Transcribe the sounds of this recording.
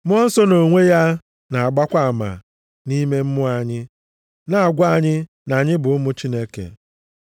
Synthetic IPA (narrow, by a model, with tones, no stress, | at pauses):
mʊ˦ɔ˦n̩˦sɔ˦no˨ŋʷe˦ja˦ | na˨a˨ɡ͡ba˦kʷa˦a˨ma̰˨ | ni˦me˦m̩˦mʊ˦a˨ɲɪ˦ | na˨a˨ɡʷa˦ɲɪ˦ | na˨ɲɪ˦bʊ˨ʊ˦mʊ˦t͡ʃi˦ne˦kḛ˨